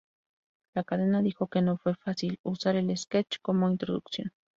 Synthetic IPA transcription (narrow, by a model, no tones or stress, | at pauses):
lakaðenaðixokenofwefasilusaɾelesket͡ʃkomoint̪ɾoðuksjon